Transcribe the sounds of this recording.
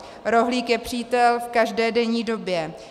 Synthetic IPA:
ɾo̞ɦliːkjɛpr̝̥iːt̪ɛlfkaʒdɛːdɛɲiːdo̞bjɛ

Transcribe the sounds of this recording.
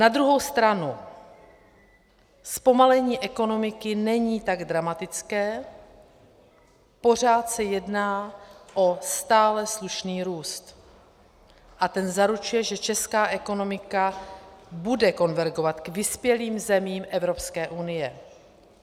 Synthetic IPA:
nad̪ɾuɦo̞wst̪ɾanu | spo̞malɛɲiːʔɛko̞no̞mɪkɪnɛɲiːt̪aɡd̪ɾamat̪ɪt͡skɛː | po̞r̝aːt̪sɛjɛdnaːʔo̞st̪aːlɛsluʃniːɾuːst̪ | ʔat̪ɛnzaɾut͡ʃujɛʒɛt͡ʃɛskaːʔɛko̞no̞mɪka | budɛko̞nvɛɾɡo̞vat̪kvɪspjɛliːmzɛmiːmʔɛvɾo̞pskɛːʔunɪjɛ

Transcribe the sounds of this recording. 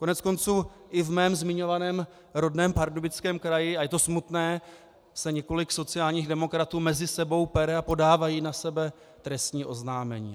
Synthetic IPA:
ko̞nɛt͡sko̞nt͡suːʔɪvmɛːmzmɪɲo̞vanɛːm | ɾo̞dnɛːmpaɾdobɪt͡skɛːmkɾajɪajɛt̪osmut̪nɛː | sɛɲɛko̞lɪkso̞t͡sɪaːlɲiːɣdɛmo̞kɾat̪uːmɛzɪsɛbo̞wpɛɾɛapo̞daːvajiːnasɛbɛ | t̪ɾɛst̪ɲiːʔo̞znaːmɛ̰ɲḭː

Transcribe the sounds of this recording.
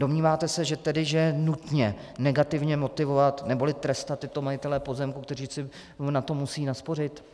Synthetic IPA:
do̞mɲiːvaːt̪ɛsɛʒɛt̪ɛdɪʒɛnut̪ɲɛnɛɡat̪ɪvɲɛmo̞t̪ɪvo̞vat̪nɛbo̞lɪt̪ɾɛst̪at̪ːɪt̪o̞majɪt̪ɛlɛpo̞zɛmkuk̚t̪ɛr̝iːsɪ | nat̪o̞musiːnaspo̞rɪt̪

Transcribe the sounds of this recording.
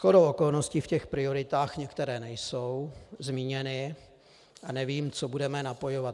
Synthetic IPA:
sxodowʔoko̞lno̞scifcɛxpɾɪo̞ɾɪt̪aːxɲɛkt̪ɛɾɛːnɛjso̞wzmiːɲɛnɪ | ʔanɛviːmt͡sobudɛmɛnapo̞jovat̪

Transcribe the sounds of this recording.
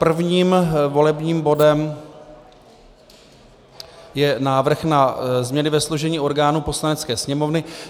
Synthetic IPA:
pr̩vɲiːmvo̞lɛbɲiːmbo̞dɛm | jɛnaːvr̩xnazmɲɛnɪvɛsluʒɛɲiːʔo̞ɾɡaːnuːpo̞slanɛt͡skɛːsɲɛmo̞vnɪ

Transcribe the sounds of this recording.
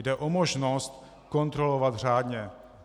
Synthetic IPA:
dɛʔo̞moʒnost̪ | ko̞nt̪ɾo̞lovat̪r̝aːdɲɛ

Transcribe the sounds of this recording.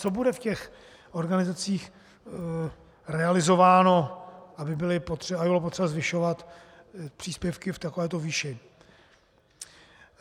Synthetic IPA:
t͡so̞budɛfcɛx | ʔo̞ɾɡanɪzat͡siːx | rɛalɪzo̞vaːno̞ʔabɪbɪlɪpot̪r̥ɛabɪbɪlopot̪rɛbazvɪʃo̞vat̪ | pr̥iːspjɛfkɪft̪akovɛːt̪oviːʃɪ

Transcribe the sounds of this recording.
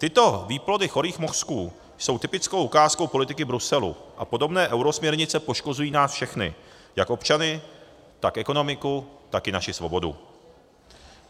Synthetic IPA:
t̪ɪt̪o̞viːplo̞dɪxo̞ɾiːxmoskuː | jso̞wt̪ɪpɪt͡skowʔukaːsko̞wpo̞lɪt̪ɪkɪbɾusɛlṵʔa̰po̞do̞bnɛːʔɛwɾo̞smɲɛɾɲɪt͡sɛpo̞ʃko̞zujiːnaːsfʃɛxnɪ̰ | jako̞pt͡ʃanɪ | t̪akʔɛko̞no̞mɪkut̪akɪnaʃɪsvo̞̰bo̞dṵ

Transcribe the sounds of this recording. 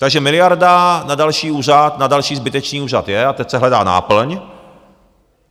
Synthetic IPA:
t̪aɡʒɛmɪlɪjaɾdanadalʃiːuːr̝at̪nadalʃiːzbɪt̪ɛt͡ʃniːuːrat̪jɛat̪ɛcsɛɦlɛda̰ːna̰ːpl̩ɲ

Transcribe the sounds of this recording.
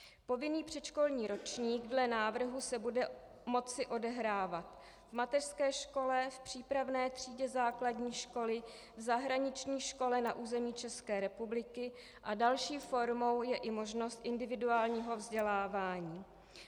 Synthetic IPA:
po̞vɪniːpr̝̥ɛt͡ʃko̞lɲiːɾo̞t͡ʃɲiːɡdlɛnaːvr̩ɦusɛbudɛ | mo̞t͡sɪʔo̞dɛɦɾaːvat̪ | vmat̪ɛr̥skɛːʃko̞lɛfpr̥iːpɾavnɛːt̪r̝̥iːɟɛzaːkladɲiːʃko̞lɪ | vzaɦɾaɲɪt͡ʃɲiːʃko̞lɛnaʔuːzɛmiːt͡ʃɛskɛːɾɛpublɪkɪ | ʔadalʃiːfo̞ɾmo̞wjɛʔɪmo̞ʒno̞st̪ʔɪndɪvɪduaːlɲiːɦo̞vzɟɛlaːvaːɲiː

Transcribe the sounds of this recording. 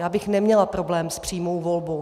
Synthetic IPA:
jaːbɪxnɛmɲɛlapɾo̞blɛːmspr̝̥iːmo̞wvo̞lbo̞w

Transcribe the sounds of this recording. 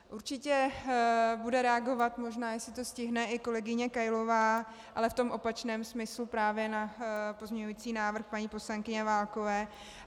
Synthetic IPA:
ʔuɾt͡ʃɪcɛ | budɛɾɛaɡo̞vat̪mo̞ʒnaːjɛsɪt̪o̞scɪɦnɛʔɪko̞lɛɡɪɲɛkajlo̞vaː | ʔalɛft̪o̞mʔo̞pat͡ʃnɛːmsmɪslupɾaːvjɛnapo̞zmɲɛɲuiːt͡siːnaːvr̩xpaɲiːpo̞slaŋkɪɲɛvaːlko̞vɛː

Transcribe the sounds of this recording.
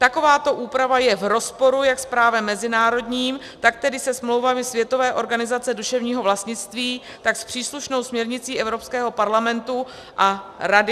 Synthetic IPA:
t̪ako̞vaːt̪o̞ʔuːpɾavajɛvɾo̞spo̞ɾujakspɾaːvɛmːɛzɪnaːɾo̞dɲiːm | t̪ak̚t̪ɛdɪsɛsmlo̞wvamɪsvjɛt̪o̞vɛːʔo̞ɾɡanɪzat͡sɛduʃɛvɲiːɦo̞vlast̪ɲɪt͡st̪viː | t̪akspr̝̥iːsluʃno̞wsmɲɛɾɲɪt͡siːʔɛvɾo̞pskɛːɦo̞paɾlamɛnt̪u | ʔaɾadɪ

